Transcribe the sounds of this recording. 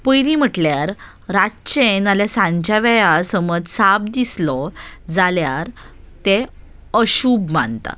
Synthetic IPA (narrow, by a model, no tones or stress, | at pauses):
pəjɾim̤əʈljaɾː | at͡ɕenaljasãɲt͡ɕaʋɛjasəməd͡zsab̚d̪islɔd͡zaljaɾ | t̪e | əɕubma̰nt̪a̰